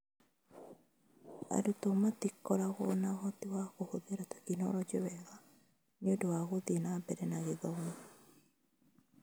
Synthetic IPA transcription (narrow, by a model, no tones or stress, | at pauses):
a̰ɾutomatikɔɾaɣɔnaɣɔtiwaɣohoðeɾatḁkinɔ̰ɾɔd͡ʒewɛɣa | neondowaɣoðenambɛɾɛnaɣeðɔme